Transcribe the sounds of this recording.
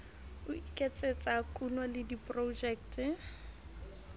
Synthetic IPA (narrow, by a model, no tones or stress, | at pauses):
ʊikʼet͡sʼet͡sʼakʼunwɔlɪdipʼrod͡ʒɛːktɪ